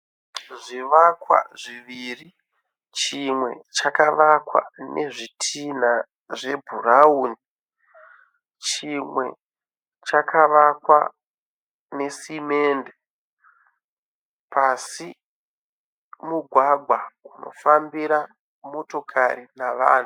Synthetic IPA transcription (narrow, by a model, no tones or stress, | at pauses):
ʐiʋakwa̰ʐiʋiri | t͡ʃimwe̞̰t͡ʃakaʋakwa̰nʔe̞̰ʐitʰina | ʐe̞bʱuɾauːni | t͡ʃimwe̞̰ | t͡ʃakʰaʋakwa | ne̞sime̞ːnde | pʰasi | muɡʱwaɡʱwauno̞̰fambiɾa | mo̞to̞kʰaɾinaʋa̰ːn̤u